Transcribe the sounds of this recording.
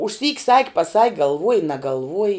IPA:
ʊʃʲˈsʲiːkʲ sɐkʲ pɐˈsɐkʲ ɡɐlˠˈʋuɔj nɐɡɐlˠˈʋuɔjɪ

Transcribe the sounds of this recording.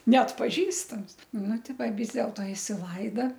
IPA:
nʲɛɐtpɐˈʒʲiːstɐms ˈnʊ ˈtʲɪ ˈʋɐ ˈʋʲɪs dʲɛlˠtoː ɪsʲɪˈlˠɐɪdɐ

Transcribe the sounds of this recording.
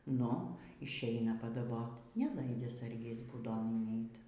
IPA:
ˈnʊ ɪʃʲˈɛɪnɐ pɐdɐˈboːtʲ nʲɛˈlˠɐɪd͡zʲɛ ˈsɐrʲɡʲɪs buːˈdoːn ɪnʲˈɛɪt

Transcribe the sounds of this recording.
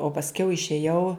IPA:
oː pɐsʲˈkʲɛʊ ɪʃʲeːˈjɛʊ

